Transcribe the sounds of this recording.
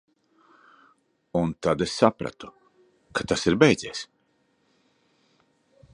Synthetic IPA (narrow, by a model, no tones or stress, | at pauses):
unt̪ad̪esːapɾa̰t̪u̥ | kat̪asiɾbɛjd̪ziɛs